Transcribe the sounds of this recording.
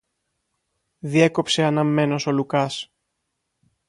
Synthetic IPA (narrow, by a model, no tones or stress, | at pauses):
ðie̞ko̞pse̞ɐnɐmːe̞no̞so̞lukɐs